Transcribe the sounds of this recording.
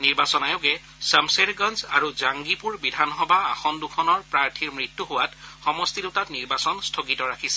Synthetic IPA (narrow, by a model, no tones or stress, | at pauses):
niɹbasɔnajʊkɛ | samseɹɡɔnza̰ɹuzaŋɡipuɹbidʱanxɔbaːxɔndukʰɔnɔɹpɹaɹtʰiɹmɹitːuɦʊwatxɔmɔstidutatniɹbasɔnstʰoɡitɔɹakʰisɛ̥